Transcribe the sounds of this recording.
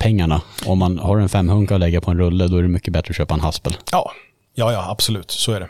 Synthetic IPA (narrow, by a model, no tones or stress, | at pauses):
pʰɛŋːaɳaɔmːanhaːɾɛnfɛmːhɵŋkaɔlɛɡːapʰɔɛnɾɵlːəd̪ɔæɖɛmʏkːəbɛt̪ːɾəɔɕøːpaɛnhaspəljɑː | jɑːjɑːab̥sɔlʉ̟ːt̪sɔæɖɛ